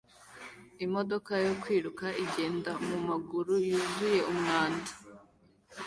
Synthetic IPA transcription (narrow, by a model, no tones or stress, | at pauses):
imo̞do̞kajo̞kwiːɾukaʔiɡe̞ːndamumaɡuɾujuːzuje̞umŋaːndḁ